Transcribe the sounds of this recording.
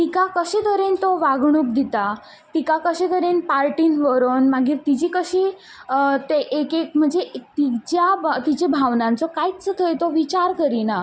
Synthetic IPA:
t̪ikakəɕet̪əɾent̪oʋaɡɳ̃uːp̚d̪it̪a | t̪ikakəɕẽt̪əɾenpaɾʈinʋəɾonmaɡiːɾt̪id͡ʑiːkəɕi | t̪eʔekek̚m̤əɳd͡zet̪id͡ʑjat̪id͡ʑebʱaʋnãnt͡sɔkait͡sət̪ʰəjt̪oʋit͡ɕaɾkəɾina

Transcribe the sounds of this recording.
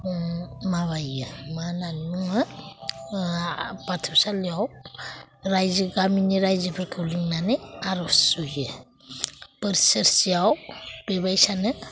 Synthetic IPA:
maβajɯmananuŋɯ | batʰɯpsaliaw | ɾajziɡaminiɾajzɯpʰəɾkʰuliŋnanejaɾɔsujɯ | pəɾseɾsiawb̥ebajsanɯ

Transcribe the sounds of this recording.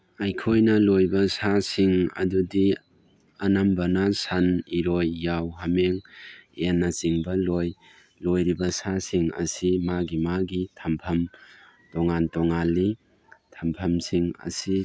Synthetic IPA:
ajkʰojnɐlojbɐsasiŋɐ̰dudi | ɐnɐmbɐnɐsaniɾojːawɦameŋenːɐt͡ʃiŋbɐloj | lojɾibɐsasiŋɐ̰simaɡimaɡitʰɐmpʰɐm | tɔŋantɔŋalːi | tʰɐmpʰɐmsiŋɐ̰si

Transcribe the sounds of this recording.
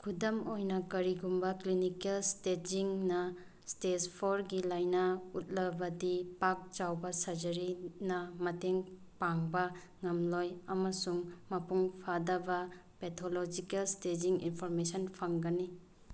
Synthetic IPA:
kʰudɐmojnɐkɐɾiɡumbɐklinikelsted͡ʒiŋnɐ | stespʰoɾɡilajnɐut̚lɐbɐdipak̚d͡ʒawbɐsɐɾd͡ʒɐɾinɐmɐteŋ | paŋbɐ | ŋɐmlojɐmɐsuŋmɐpuŋpʰadɐbɐpetʰolod͡ʒikelsted͡ʒiŋḭnpʰoɾmesɐnpʰɐŋɡɐni

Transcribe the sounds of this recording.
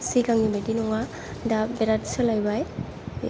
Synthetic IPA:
siɡaŋibedinɔŋa | dabɛɾatsɔlajbaj

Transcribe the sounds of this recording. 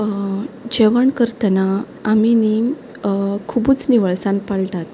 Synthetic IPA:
d͡ʑeʋəɳkəɾt̪ənaː | mini | kʰubuːt͡sniʋəɭsãnpalʈ̪at̪

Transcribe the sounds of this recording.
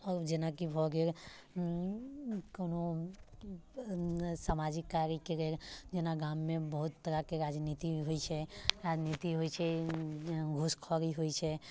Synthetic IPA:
ɔːɾd͡ʒenakibʱɔɡeɾ | koːno | samad͡ʒɪkːaɾikeɾeɾd͡ʒenaɡaːmːẽbəɦut̪ːəɾakeɾad͡ʒnit̪iɦoit͡ʃʰɛɾad͡ʒnit̪iɦoit͡ʃʰɛ | ɡʱʊskʰɔɾiɦoit͡ʃʰɛ

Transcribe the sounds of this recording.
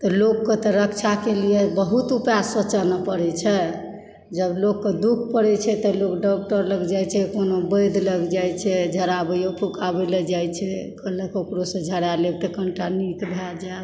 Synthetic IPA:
t̪ɔlokːet̪ɔɾəkt͡ʃʰakelijebəɦut̪upjasət͡ʃənəpəɽɛt͡ʃʰɛ | d͡ʒəblokːed̪uk̚ʰpəɽɛt͡ʃʰɛt̪ɔlokɖɔk̚ʈəɾləɡd͡ʒajt͡ʃʰɛkonobəjd̪ʱləɡd͡ʒajt͡ʃʰɛd͡ʒʱəɾabəjopʰukabelɛd͡ʒajt͡ʃʰɛkələkokɾosə̃d͡ʒʱəɽalebt̪əkəɳʈanikbʱald͡ʒa

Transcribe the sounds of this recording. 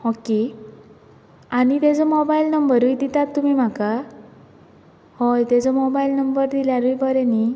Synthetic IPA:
hɔki | añit̪ed͡zomɔbailnəmbəɾujd̪it̪at̪ːumimaka | hɔjt̪ed͡zɔmɔbajlnəmbəɾd̪iljaɾujbɔɾɛni

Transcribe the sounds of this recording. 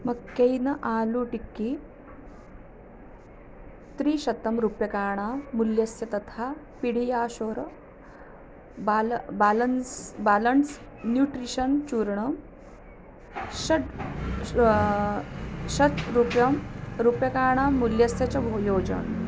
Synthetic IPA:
mɐɡkːejnɐʔaːluʈikːi | t̪ɾiːʃɐt̪ːɐmɾupjɐkaːɳ̃aːmuljɐsjɐt̪ɐt̪ʰaː | piɽ̤ijaːʃoːɾɐ | balbalɐnsbaːlɐns | njuːʈɾiʃɐnt͡ʃuːɾɳɐm | ɕɐ | ʃɐt̪ɾupjɐmɾupjɐkaːɳ̃aːmuljɐsjɐt͡ɕɐbʱojoːd͡ʑɐ̰ɳ

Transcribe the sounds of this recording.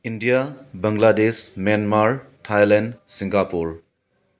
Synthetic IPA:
indijabɐŋladesmenmaɾtʰajlendsiŋɡapuɾ

